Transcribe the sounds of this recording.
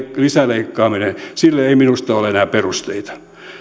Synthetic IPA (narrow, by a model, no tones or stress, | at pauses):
lisæleikːɑːminesilːeeiminust̪ɑolenæːperust̪eit̪ɑ̥